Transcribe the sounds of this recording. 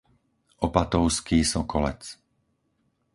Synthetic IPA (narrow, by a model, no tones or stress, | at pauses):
ʔɔpat̪ɔʊskiːsɔkɔlɛ̰t͡s